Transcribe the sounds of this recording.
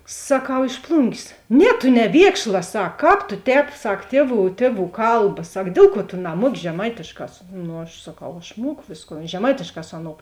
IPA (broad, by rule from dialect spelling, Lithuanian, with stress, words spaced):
sɐˈkɐʊ ɪʃ ˈplˠʊŋʲɡʲeːs ˈnʲɛ tʊ nʲɛˈʋʲiɛkʃlˠɐ ˈsɐk ˈkɑːp tʊ ˈtʲɛːp ˈsɐk ˈtʲiɛˌʋuː ˈtʲiɛˌʋuː ˈkɐlˠbɐ ˈsɐk ˈdʲeːlˠ ˌkuɔ tʊ nɐˈmuɔkʲɪ ʒʲɛˈmɐɪtʲeːʃˌkɑː ˈnʊ ɐʃ sɐˈkɐʊ ɐʃ ˈmuɔkʊ ˈʋʲeːsˌkoːn ʒʲɛˈmɐɪtʲeːʃˌkɑː ˈsʊ ɐˌnoːʊ